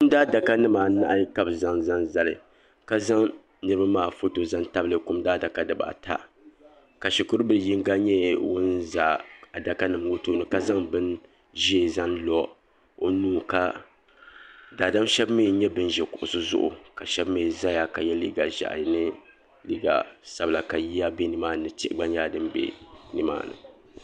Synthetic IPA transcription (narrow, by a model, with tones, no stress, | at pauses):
kʊ˦m˦daː˦da˨ka˦nɨ˦maː˨na̰˦ʔa˦ka˦bza˦ŋza˦nza˦lɨ˨ | ka˦za˦ŋ | nɨ˦ɾɨ˦ba˦maː˦˨fo˦to˨za˦nta˦blɨ˨kʊ˦mdaː˦da˨ka˦dɨ˨ba̰˨tʰa̰˦ | ka˨ʃi˨kʊ˦ɾɨ˦bɨ˦˨ji˦ŋɡa˦ɲɛ˦wʊ˦nzaː˨a˨da˨ka˦nɨ˨mwo˦toː˦˨nɨ˨ka˦za˦ŋbɨ˦n | ʒɛ˦˨za˦nlɔ˦ | o˦nuː˦ka˦ | daː˨da˦mʃɛ˦bme˦˨˦ɲɛ˦bɨ˦n˦ʒɛ˨kʊ̰˨ʔʊ̰˨sɨ˦zʊ̰˦ʔʊ̰˨ka˨ʃɛ˦bme˦˨za˦ja˨ka˨jɛ˦li˦ɡa˨ʒa̰˨ʔnɨ˦ | li˦ɡa̰˨sa˦bla˨ka˨ji˦a˦be˦nɨ˨˦maː˦nɨ˨ti˦ʔɡ͡ba˦ɲ˦aː˦dɨ˦mbɛ̰˨nɨ˨ma̰ː˦˨nɨ̰˨